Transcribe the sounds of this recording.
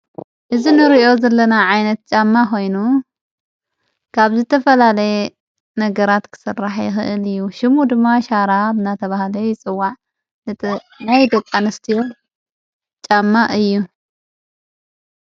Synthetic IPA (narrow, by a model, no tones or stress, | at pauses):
ʔɨzinɨɾiʔo̞zɐlːɐnaʕajnɐt̪̚t͡ʃʼamːako̞jnu | kʰaβzɨt̪ʰɐfɐlalɐje | nɐɡɐɾat̪kʰɨ̥sɨrːaħjɪxɨʔɨlɨjːuʃɪmud̪ɨmːaʃaɾabɨnat̪ʰɐβahlɐjɪt͡sʼɨwːaʕ | nɨ | najd̪okʼːanɐst̪ʰijo̞ | t͡ʃʼamːaʔɨjːu